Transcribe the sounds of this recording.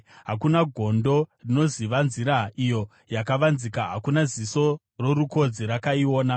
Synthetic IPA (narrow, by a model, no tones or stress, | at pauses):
ɦakunaɡʱo̞ndo̞rino̞ziʋanziɾaijo̞ | jakaʋanzikaɦa̰kunaziso̞ | ro̞ɾuko̞d͡ziɾakaio̞ːna